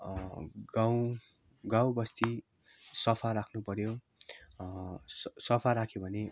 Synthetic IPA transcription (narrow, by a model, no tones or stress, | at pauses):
ɡaw | ɡaw̃bʌst̪i | sʌpʰaɾakʰnupʌrjo | ssʌpʰaɾakʰjobʱʌne